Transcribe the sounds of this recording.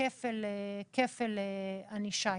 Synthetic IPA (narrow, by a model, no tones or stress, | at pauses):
efelekʰefeleaniʃa